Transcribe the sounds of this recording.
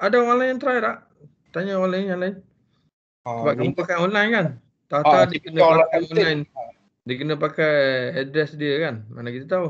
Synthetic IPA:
adaonlajjaŋt̪ɾajɾaʔ | t̪aɲaolaɪnaŋlaɪn | səbaʔkəmupakajɔnlajnkan | t̪at̪adikənəpakajɔnajn | diəkənəpakajadɾɛsdiəkanmanakit̪at̪au

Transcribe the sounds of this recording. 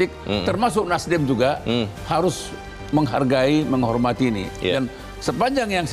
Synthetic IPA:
ɪk̚t̪ərmas̬ʊk̚nasdɛmd͡ʒuɡahaɾʊs | məŋɦa̰rɡaiməŋɦɔrmat̪iːnḭdan | səpaɲd͡ʒaŋjaŋs

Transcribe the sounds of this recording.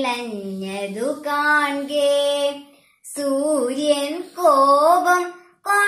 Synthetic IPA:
lɐɲːɐd̪ukaːɳɡe | suːɾjɐnkoːbɐm | kaː

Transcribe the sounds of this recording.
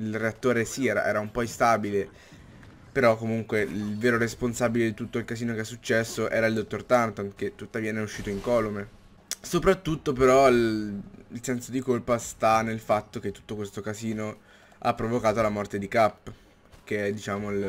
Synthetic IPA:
ilreat̪ːoːɾesiɛːɾa̰ʔɛ̰ːɾaumpɔist̪abile | peɾɔkːomuŋkweilveːɾoɾesponsaːbiled̪it̪ut̪ːoilkaziːnokeɛsːut͡ʃːɛsːoʔɛːɾaild̪ot̪ːort̪ant̪onket̪ːut̪ːaviːanɛuʃːiːt̪oiŋkɔlome | sopɾat̪ːut̪ːopeɾɔlilsɛnsod̪ikolpast̪anelfat̪ːok̟et̪ːu̥t̪ːokwest̪okaziːno | a̰pːɾovokaːt̪olamɔrt̪ed̪ikapː | keɛd̪it͡ʃaːmoil

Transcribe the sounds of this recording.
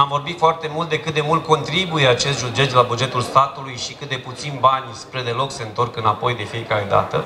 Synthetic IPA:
amvo̞rbit̪foart̪e̞mult̪̚d̪e̞kɨt̪d̪e̞mult̪̚ko̞nt̪ɾibujeat͡ʃe̞st̪ʒud͡ʒet͡ʃ̪labud͡ʒe̞t̪ulst̪at̪ulujʃikɨt̪d̪e̞put̪sinbanʲspɾe̞d̪e̞lo̞kse̞ɨnt̪o̞rkɨnapo̞jd̪e̞fijekaɾe̞d̪a̰t̪ə

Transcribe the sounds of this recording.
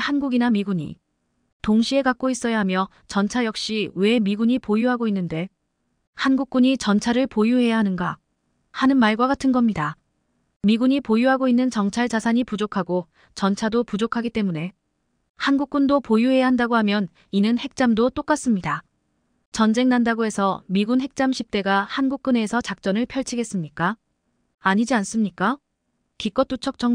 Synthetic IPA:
hanɡuɡinamiɡuɲḭ | toŋɕʰie̞kak͈̚ois͈ʌjaɦamjʌ | t͡ɕʌnt͡ɕʰajʌk̚ɕ͈iwe̞miɡuɲipojuɦaɡoinːɯnde̞ | hanɡuk̚k͈uɲit͡ɕʌnt͡ɕʰaɾɯɭpojuɦe̞jaɦanɯnɡa | hanɯnmaɭɡwaɡatʰɯnɡʌmɲida | miɡuɲipojuɦaɡoinːɯnt͡ɕʌŋt͡ɕʰaɭd͡ʑasʰaɲipud͡ʑokʰaɡo | t͡ɕʌnt͡ɕʰadopud͡ʑokʰaɡit͈e̞mune̞ | hanɡuk̚k͈undopojuɦe̞jaɦandaɡohamjʌn | inɯnhe̞k̚t͡ɕ͈amdot͈ok͈as͈ɯmɲida | t͡ɕʌnd͡ʑe̞ŋnandaɡoe̞sʰʌmiɡunɦe̞k̚t͡ɕ͈amɕʰip̚t͈e̞ɡahanɡuk̚k͈ɯne̞sʰʌt͡ɕak̚t͡ɕ͈ʌnɯɭpʰjʌɭt͡ɕʰiɡe̞s͈ɯmɲik͈aː | ɲid͡ʑians͈ɯmɲik͈a | kik͈ʌt͈ut͡ɕʰʌk̚t͡ɕ͈ʌŋ

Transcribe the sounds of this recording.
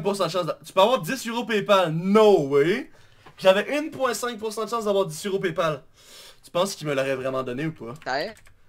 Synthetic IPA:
k̚pʊsɑ̃d̪əʃɑ̃sd̪t̪y̥pøavwaʁd̪isyʁopepalnɔ̃wi | ʒavɛʔynpwɛ̃sɛ̃k̚pʊʁsɑ̃d̪əʃɑ̃sd̪avwaːʁd̪isyʁop̬epal | t̪y̥pɑ̃skʲilmələʁɛvʁɛmɑ̃d̪ɔneupa

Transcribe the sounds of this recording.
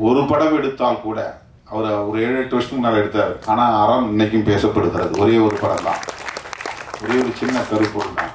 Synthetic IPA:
ɔɾɯpɐɽɐmɛɽɯt̪ːaːlkuːɽɐ̰ | ɐʋɐɾɔɾɯeːɻɐʈːɯʋɐɾʂɐnɯmnɐlːɐɛɽɯt̪ːaːɾɯʔaːnaːɐɾɐmɪnːɐk̬ʲːɯ̃mpeːsɐpːɐɽɯɣɪɾɐðɯ̰ɔɾeːɔɾɯpɐɽɐ̰mt̪ã̰ː | ɔɾeːɔɾɯt͡ʃɪnːɐk̪ɐɾipːoːɽɯnːa̰

